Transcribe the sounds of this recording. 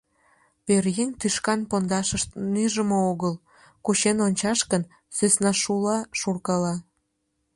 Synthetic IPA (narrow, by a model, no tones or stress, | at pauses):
perjenʲt̪yʃkɑnpond̪ɑʃəʃt̪nyʒəmooɣəl | kuɕenonʲt͡ɕɑʃkən | søsnɑʃulɑʃurkɑlɑ